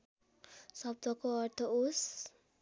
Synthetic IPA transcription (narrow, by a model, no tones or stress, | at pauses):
sʌb̚d̪ʱʌkoʌrt̪ʰʌos